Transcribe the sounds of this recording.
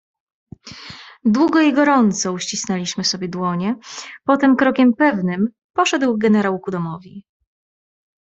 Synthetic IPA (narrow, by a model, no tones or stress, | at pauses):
d̪wuɡɔiɡɔɾɔnt̪sɔuɕt͡ɕisnɛlʲiɕmɘsɔbʲjɛd̪wɔɲɛpɔt̪ɛmkɾɔkʲɛmpɛvnɘm | pɔʂɛd̪wɡɛnɛɾawkud̪ɔmɔvʲi